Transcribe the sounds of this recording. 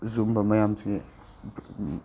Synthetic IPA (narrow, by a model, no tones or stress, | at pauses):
zumbɐmɐjamsi